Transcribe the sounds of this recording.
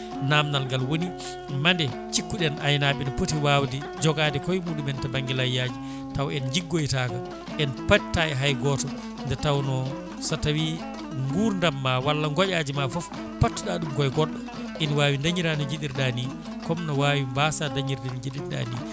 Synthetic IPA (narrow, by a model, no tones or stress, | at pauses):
namnalɡalwoni | mandɛ | t͡ʃikːuɗɛnʔajnaɓɛnɔpotiwaːwdi | d͡ʒɔɡadɛkɔjmudumɛntabaŋɡilajjad͡ʒi | tawɛnɲd͡ʒiɡːojtaːɡa | ʔɛnpattːaɛɦajɡɔːtɔ | ndɛtawnɔ | satawi | ŋɡuːɾndamːawalːaŋɡɔʔad͡ʒimafɔf | patːuɗaɗumkɔjɡɔɗːa | ʔinwaːwindaɲiɾanɔd͡ʒiɗiɾɗani | kɔmnɔwawimbasandaɲiɾdɛnɔd͡ʒiɗiɾɗa̰nḭ